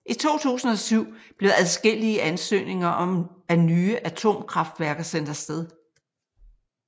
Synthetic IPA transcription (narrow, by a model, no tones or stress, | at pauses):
ʔit͡sʰo̝̰ːt͡sʰṵːsn̩ɒ̽syʊ̰b̥le̝ðˠæðˠsɡ̥e̝l̰iəʔænsø̰ːne̝ŋɐʔɒ̽mænyːəʔæt͡sʰo̝̰ːmkʰʁɑ̈fd̥ʋæɐɡ̥ɐsen̰d̥ɐsd̥eð̞ˠ